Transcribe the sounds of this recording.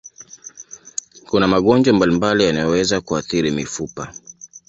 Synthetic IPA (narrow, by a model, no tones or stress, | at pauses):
kunamaɠɔnd͡ʒwambalimbalijanajɔwɛzakuaθiɾimifupa